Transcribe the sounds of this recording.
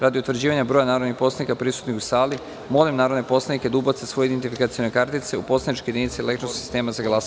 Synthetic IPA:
ɾad̪iut̪ʋɾ̩d͡ʑiːʋaɲabɾojanaːɾonixpo̞slanikapɾisu̥t̪nixusaːli | mo̞limnaːɾod̪nepo̞slˠaniked̪ubot̪sesʋo̞jed̪ent̪ifikat̪sio̞nekaɾt̪it̪se̞upo̞slˠanit͡ʃkojed̪init̪siele̞kt̪ɾossi̥st̪e̞ːmazaɡlˠas

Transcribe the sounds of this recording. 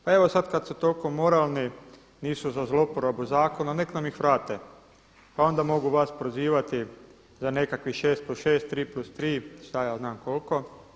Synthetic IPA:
pae̞ʋo̞sad̪kad̪sut̪olkomo̞ɾaːlˠni | niːsuzazlo̞poɾobuzaːko̞naneknamixʋɾaːt̪e | pao̞nd̪amo̞ɡuʋaspɾoziːʋat̪i | zane̞kakʋiʃeːst̪̚plusʃe̞ːst̪ːɾiːplust̪ɾiːʃt̪ajaːznaːmko̞lko̞

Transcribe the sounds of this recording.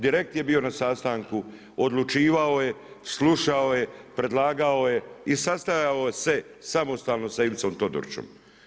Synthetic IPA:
d̪iɾe̞k̚t̪je̞bio̞nasast̪aŋku | od̪lˠut͡ʃiːʋao̞je̞ | sluʃao̞je̞pɾe̞d̪lˠaːɡao̞je̞isast̪ajaose̞ | samo̞st̪aːlˠno̞saiʋit̪so̞mt̪o̞d̪o̰ɾt͡ʃo̰m

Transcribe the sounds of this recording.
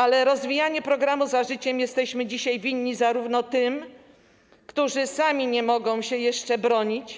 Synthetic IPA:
alɛɾɔzvʲijaɲɛpɾɔɡɾamuzaʐɘt͡ɕɛmjɛst̪ɛɕmɘd͡ʑiɕajvʲiɲːizaɾuvnɔt̪ɘm | kt̪uʐɘsamʲiɲɛmɔɡɔ̃w̃ɕɛjɛʂt͡ʂɛbɾɔɲit͡ɕ

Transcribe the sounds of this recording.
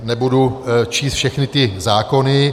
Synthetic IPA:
nɛbudut͡ʃiːst̪fʃɛxnɪt̪ɪzaːko̞nɪ

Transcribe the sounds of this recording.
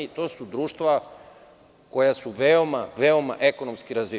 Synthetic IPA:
it̪o̞ːsud̪ɾuːʃt̪ʋa | ko̞jasuʋeomaʋeo̞maʔe̞ko̞nomskiɾazʋi

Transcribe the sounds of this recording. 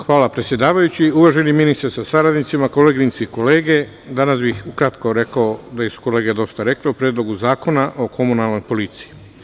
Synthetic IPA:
xʋaːlapɾet̪sje̞d̪aːʋajut͡ɕiuʋaʒeniminist̪ɾesasaɾad̪nit̪simako̞leɡɾinsiiko̞le̞ːɡe̞ | d̪anasbixukɾat̪ko̞ɾe̞kaod̪ajesu̥ko̞le̞ːɡe̞d̪o̞st̪aɾe̞kleupɾjeːd̪lo̞ɡuzaːko̞naʔo̞kʰo̞munalˠno̞jpo̞lit̪siji

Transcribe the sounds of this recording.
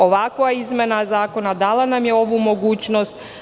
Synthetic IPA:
oʋakojaizmʲenazaːko̞nad̪aːlˠanamjeo̞ʋumo̞ɡuːt͡ɕno̞st̪

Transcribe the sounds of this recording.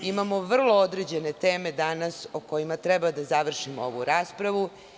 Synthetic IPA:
imamo̞ʋr̩lˠo̞od̪ɾe̞d͡ʑe̞ne̞t̪eːme̞d̪anasoko̞jimat̪ɾɛbad̪azaʋr̩ʃimooʋuɾaːspɾaʋu

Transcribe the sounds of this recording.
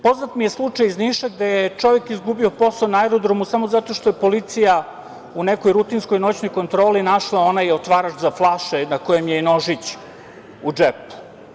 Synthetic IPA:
po̞znat̪mije̞slˠut͡ʂajizniʃaɡd̪ejet͡ʃo̞ʋekizɡubio̞po̞saonaɛɾod̪ɾomusamozat̪oʃt̪o̞jepo̞lit̪sija | uneko̞jɾut̪insko̞jno̞t͡ɕnojko̞nt̪ɾo̞ːlinaʃlˠao̞najeot̪ʋaːɾat͡ʃzaflˠaʃenakojemjeino̞ʒit͡ɕ | ud͡ʒepu̥

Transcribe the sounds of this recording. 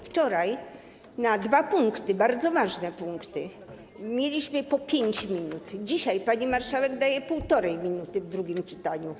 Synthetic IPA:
ft͡ʂɔɾaj | nad̪vapuŋkt̪ɘbaɾd̪zɔvaʐnɛpuŋkt̪ɘ | mʲjelʲiɕmɘpɔpʲjeɲt͡ɕmʲinut̪d͡ʑiɕajpaɲimaɾʂawɛɡd̪ajɛpuwt̪ɔɾɛjmʲinut̪ɘvd̪ɾuɡʲimt͡ʂɘt̪aɲu

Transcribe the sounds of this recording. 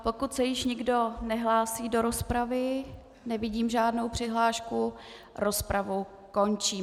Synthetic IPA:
po̞kut̪sɛjɪʃɲɪɡdo̞nɛɦlaːsiːdo̞ɾo̞spɾavɪ | nɛvɪɟiːmʒaːdno̞wpr̝̥ɪɦlaːʃkuɾo̞spɾavu | ko̞nt͡ʃiː

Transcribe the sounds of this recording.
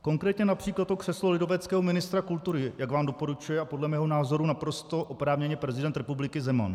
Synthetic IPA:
ko̞ŋkɾɛːt̪ɲɛnapr̝̥iːklat̪okr̝̥ɛslolɪdo̞vɛt͡skɛːɦomɪnɪst̪ɾakult̪uɾɪjaɡvaːmdo̞po̞ɾut͡ʃujɛapo̞dlɛmɛːɦo̞naːzo̞ɾunapɾo̞st̪o̞ʔopɾaːvɲɛɲɛpɾɛzɪdɛnt̪ɾɛpublɪkɪzɛma̰n

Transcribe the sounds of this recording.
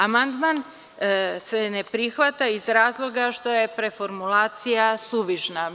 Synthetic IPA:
amand̪man | sene̞pɾixʋat̪aizɾaːzlˠo̞ɡaʃt̪o̞je̞pɾe̞fo̞ɾmulaːt̪sijasuʋiʒna

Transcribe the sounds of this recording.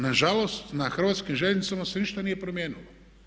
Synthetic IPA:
naʒalo̞st̪naxr̩ʋaːt̪skimʒeʎʲenit̪samaseniʃt̪anijepɾomjeːnilo

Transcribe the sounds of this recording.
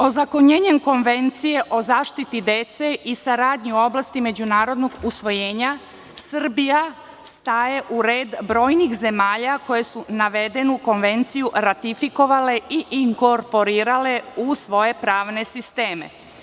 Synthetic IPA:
o̞zako̞ɲe̞ːɲe̞mko̞nʋe̞nt̪sije̞ʔo̞zaːʃt̪it̪id̪e̞t̪se̞ʔisaɾaːd̪ɲiuo̞blˠast̪ime̞d͡ʑunaːɾo̞d̪no̞ɡusʋo̞jeːɲa | sr̩bija | st̪aːje̞ʔuɾe̞ːd̪bɾo̞ːjnixze̞maːʎako̞je̞sunaʋe̞d̪e̞nuko̞nʋe̞nt̪sijuɾat̪ifiko̞ʋale̞iʔiŋko̞ɾpo̞ɾiːɾale̞usʋo̞je̞pɾaːʋne̞sist̪e̞ːmḛ

